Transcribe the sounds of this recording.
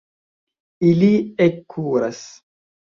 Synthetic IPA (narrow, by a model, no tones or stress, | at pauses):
iliekʰːuɾas